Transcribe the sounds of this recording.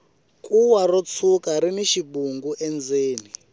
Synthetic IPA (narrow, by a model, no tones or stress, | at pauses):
kʼuwarɔt͡sʰukaɾiniʃibuŋɡuʔɛnd͡zeːni